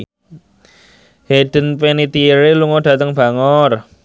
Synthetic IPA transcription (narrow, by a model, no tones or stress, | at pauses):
heɖ̥ə̤npenit̪iɾeluŋɔɖ̥ä̤t̪əŋb̥a̤ŋɔr